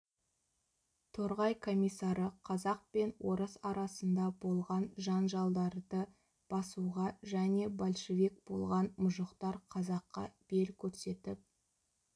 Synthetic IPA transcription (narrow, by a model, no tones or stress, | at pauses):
t̪ʰoɾʁɑjkʰo̞mijsːɑɾəqʰɑzɑq̚pe̞nwo̞ɾəsɑɾɑsənd̪ɑbo̞lˠʁɑnʒɑnʒɑlˠd̪ɑɾd̪ə | b̥ɑsuʁɑʒæne̞bolʲʃevek̚b̥o̞lˠʁɑnmʊʒəqt̪ɑɾqʰɑzɑqːɑ̰b̥e̞lkʲʰɵɾse̞t̪ɪp̚